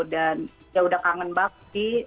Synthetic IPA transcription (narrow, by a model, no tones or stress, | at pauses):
dan | jaudakaŋənbak̚di